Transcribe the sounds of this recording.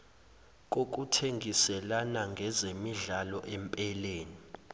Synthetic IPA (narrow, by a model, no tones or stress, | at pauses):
k̬ok̬ʼutʰeŋɡʱisɛlanaŋɡʱɛzemiɮalɔʔɛmpʼɛleːni